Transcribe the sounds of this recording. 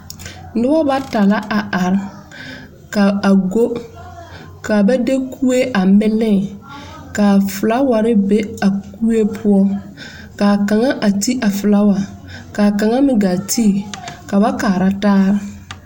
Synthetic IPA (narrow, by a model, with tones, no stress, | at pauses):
nʊ˦bɔ˦ba˦ta˨la˦ʔa˨a˨ɾ | ka˨a˨ɡo˦ | ka˨ba˦de˦kʰu˦e˦ʔa˨mɪ˦lɪ˦˨ | ka˨fʊ˨la˦wa˨ɾɪ˦be˦a˨ku˦e˦pʰʊ˦ɔ˦ | ka˨ka˨ŋa˦ʔa˨ti˦ʔa˨fʊ˨la˦wa˨ | ka˨ka˨ŋa˦mɪ˨˦ɡa˨tʰi˦˨ka˨ba˦kaː˨ɾa˦taː˦ɾɪ˦